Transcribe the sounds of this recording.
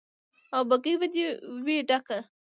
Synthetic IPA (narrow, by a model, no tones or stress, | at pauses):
awbaɡijbad̪iweɖaka